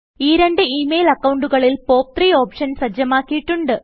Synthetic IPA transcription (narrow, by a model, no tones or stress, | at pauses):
iːɾe̞ɳɖɨiːmejlɐkːɐwuɳɖuɣɐɭilpo̞ːp̚t̪riːo̞ːpʂɐnsɐd͡ʑjɐmaːkːijiʈːuɳɖɨ